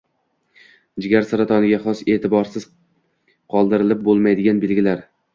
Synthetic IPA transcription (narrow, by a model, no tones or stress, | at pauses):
d͡ʒɪɡʲaɾsaɾat̪ʰɒnɪɡʲaχɒse̞ːt̪ʰɪbɒɾsɪz̥ | qʰɒlˠd̪ɪɾɪlɪp̚bolˠmajd̪ɪɡʲanbelɡʲɪlaɾ